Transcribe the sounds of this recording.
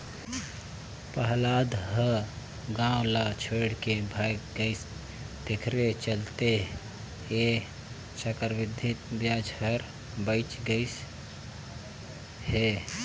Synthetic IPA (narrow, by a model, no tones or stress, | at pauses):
pəɦlad̪ɦə | ɡãũlat͡ʃʰoɽkebʱajkɡəɪs | d̪ekʰɾet͡ʃəlt̪e | e | t͡ʃəkəɾʋid̪ʱit̪bjad͡ʒʱhəɾ | bəɪt͡ʃɡəɪs | he